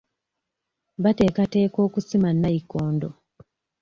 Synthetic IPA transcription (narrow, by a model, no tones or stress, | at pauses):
βate̞ːkate̞ːko̞ːkusimanːajikoːndo